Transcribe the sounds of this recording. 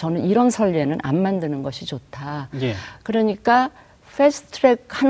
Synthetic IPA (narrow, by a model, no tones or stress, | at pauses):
t͡ɕʌnɯniɾʌnsʰʌʎːenɯnʔa̰nmandɯnɯnɡʌɕʰit͡ɕotʰajkɯɾʌɲik͈a | ɸʰesʰɯ̥tʰɯɾek̚han